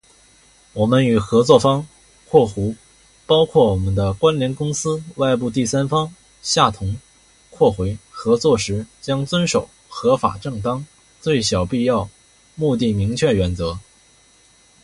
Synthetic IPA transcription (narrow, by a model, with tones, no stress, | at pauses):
wɔ˨˩mə˦ny˨˩xɤ˧˥t͡swɔ˥˩fɑ˥ŋ | kʰwɔ˥˩xu˧˥ | pɑ˥ʊkʰwɔ˥˩wɔ˨˩mə˦nd̪ə˧kwa˥nljɛ˧˥nkʊ˥ŋsɹ̩˥wa˥˧ɪp̬u˥˧t̪i˥˩sa˥nfɑ˥ŋ | ɕja˥˩t̪ʰʊ˧˥ŋ | kʰwɔ˥˩xwe˧˥ɪxɤ˧˥t͡swɔ˥˩ʂɻ̩˧˥t͡ɕjɑ˥ŋt͡swə˥nʂo˨˩ʊxɤ˧˥fa̰˨˩ʈ͡ʂɤ˥˩ŋt̪ɑ˥ŋ | t͡swe˥˩ɪɕjɑ˨˩ʊpi˥˧jɑ˥˧ʊ | mu˥˧t̪i˥˩mi˧˥ŋt͡ɕʰɥɛ˥˩ɥɛ˧˥nt͡sɤ˧˥